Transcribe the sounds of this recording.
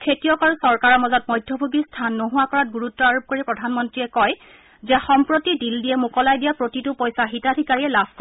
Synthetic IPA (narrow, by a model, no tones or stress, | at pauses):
kʰetijɔkaɹusɔɹkaɹɔmɔzɔt̚mɔjdʱjɔbʱuɡistʰanːoɦʊakɔɹat̚ɡuɹutːɔaɹub̚koɹipɹɔdʱanmɔntɹiɛkɔj | zɛxɔmpɹotidildijɛmukɔlajdijapɹotitʊpɔjsaɦitadʱikaɹijɛlabʱkɔ